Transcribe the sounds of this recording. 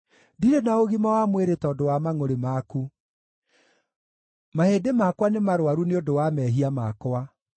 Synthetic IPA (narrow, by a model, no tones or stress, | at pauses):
diɾenaoɣimawamweɾetɔdowamaŋoɾemaku | mahedemakwanemaɾwaɾuneodowamɛɦiamakwa